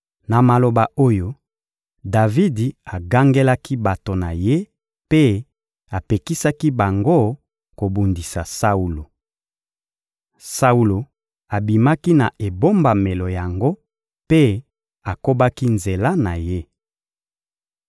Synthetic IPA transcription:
na˨ma˨lo˨ba˨o˦jo˦ | da˨vi˦di˨a˨ɡa˦ŋɡe˦la˦ki˦ba˨to˨na˨je˦ | pe˦ | a˨pe˨ki˦sa˦ki˦ba˨ŋɡo˦ | ko˨bu˨ndi˨sa˨sa˦u˨lo˨ | sa˦u˦lo˨ | a˨bi˨ma˦ki˦na˨ʔe˨bo˦mba˨me˨lo˨ja˨ŋɡo˦ | pe˦ | a˨ko˦ba˦ki˦nze˨la˦na˨je˦

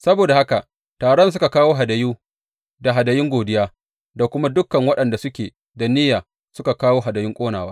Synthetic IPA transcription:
sɐ˦boː˨da˨ha˦ka˨ | taː˨ɽɔ˦ns̬ʊ˦ka˨kaː˦woː˦ɦa˨dɐ˨juː˦ | da˨ɦa˨dɐ˨jɪ˦ŋɡʷoː˨dɪ˦jaː˦ | da˨kʷʊ˦ma˦dʊ˦kːɐ˨ŋwɐ˦ɗɐ˨nda˨sʊ˦kʲeː˨ | da˨nɪː˦jaː˨ | sʊ˦ka˨kaː˦woː˦ɦa˨dɐ˨jɪ˦ŋkʷʼoː˦naː˨waː˦

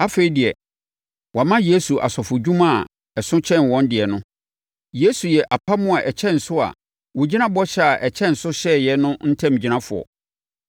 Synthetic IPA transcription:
a˦fe˨i˨dɪ˨ɛ˨ | wʔɔ˨mã˦je˦su˨ʔa̰˨sɔ˨fʊ˨d͡ʑᶣũ˦mã˦˨ | ɛ˨sʊ̃˦t͡ɕʰɛ̃˦nwɔ̃˦ndɪ˨ɛ˨nʊ̃˦ | je˦su˨jɛ˨ʔa˨pʰa˦mʊ̃˦a˨ʔɛ˨t͡ɕʰɛ̃˦n̩˨sʊ˦a̰˨ | wo˨d͡ʑi˦nã˦bɔ˦ɕɛ˦a˨ʔɛ˨t͡ɕʰɛ̃˦n̩˨sʊ˦ɕɛ˦jɛ˨nʊ̃˦n̩˦tʰã˦˨m˨d͡ʑi˨nã˦fʊ̰˨ɔ̰˨

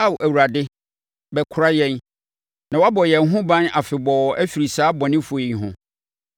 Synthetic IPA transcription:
a˦˨wʔæ˨wu˨ɾa˨dɪ˦ | bɛ˨kʰʊ˨ɾa˦jɛ̃˦n | nã˨wa˦bɔ˨jɛ˨ŋ˨ɦʊ̃˦bã˦na˨fɪ˨bɔ˨æ˦fi˨ɾi˨saː˦bɔ˨nɪ̃˦fʊ˨e˨ɦʊ̃˦

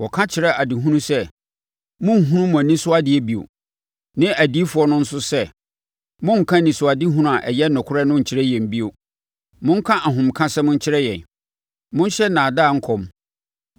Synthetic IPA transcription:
wɔ˨kʰã˦t͡ɕʰɪ˨ɾɛ˦ʔa˨dɪ˨ɦũ˦nũ˦sɛ˦ | mʊ̃˦ŋ̩˨ɦũ˦ũ˦mʊ̃˨nĩ˦sʊ˦a˦dɪ˨ɛ˦bi˨o̰˨ | nɪ̃˦ʔæ˨di˦fʊ˨ɔ˦nʊ̃˦n̩˦sʊ˦sɛ˦ | mʊ̃˦ŋ̩˨kʰã˦nĩ˨sʊ˨a˨di˦ɦũ˦nũ˦˨a˨ʔɛ˨jɛ˦nʊ̃˨kʰʊ˦ɾɛ˦nʊ̃˦ɲ̩˨t͡ɕʰɪ˦ɾɛ˦jɛ̃˨m̩˦bi˦o˨ | mʊ̃˦ŋ̩˦kʰã˦ʔa˨ɦʊ̃˨mkʰã˦sɛ˦mʊ̃˦ɲ̩˦t͡ɕʰɪ˦ɾɛ˦jɛ̃˨n | mʊ̃˦n˦ɕɛ˦nã˨daː˦˨ŋ̩˦kʰɔ˦m

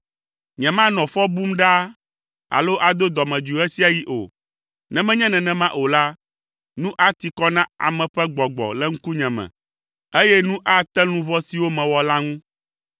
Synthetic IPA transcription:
ɲɛ̃˨mã˦nɔ̃˨fɔ˦bu˦mɖa˦ | a̰˨lo˦ʔa˨d̪o˦d̪ɔ˨mɛ̃˨d͡ʒu˨ɛ˦si˦a˨ji˦ʔo̰˨ | nɛ̃˨mɛ̃˦ɲɛ̃˦nɛ̃˨nɛ̃˨mã˦ʔo˨la˦ | nũ˦ʔa˦t̪i˨kɔ˦nã˦a̰˨mɛ̃˨ɸɛ˦ɡ͡bɔ˨ɡ͡bɔ̰˨lɛ˦ŋ̩˦ku˦ɲɛ̃˨mɛ̰̃˨ | e˦jɛ˦nũ˦ʔa˦t̪ɛ˦lũ˦vɔ˦si˨wo˦mɛ̃˨wɔ˨la˦ŋũ˦

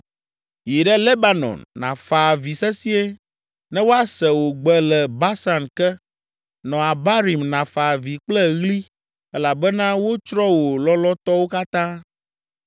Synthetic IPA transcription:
ji˨ɖɛ˦le˦ba˨nɔ̰˨nːã̰˨fa˨vi˨sɛ˦si˦e˦ | nɛ̃˦wo˦a˦sɛ˨wo˨ɡ͡bɛ˨lɛ˨ba˦sa˨nkɛ˦ | nɔ̃˨a˨ba˦ɾi˨mnã˨fa˨vi˨k͡plɛ˦ɣli˦ | ɛ˦la˨bɛ˦nã˦wo˦t͡ʃɾɔ˦wo˨lɔ˦lɔ˦t̪ɔ˦wo˦ka˦t̪ã˦

